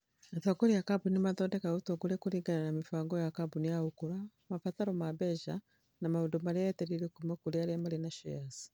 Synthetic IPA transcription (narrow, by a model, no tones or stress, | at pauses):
aθaɡɔɾijakabunimaðɔndɛkautɔɡulɛkuɾiŋɡananamifaŋɡɔjakabunijahukuɾa | mafataɾɔmabɛʒa | namaudɔmalɛjɛtɛɾilikumɛkuliaɾamalinaʃɔjasi̥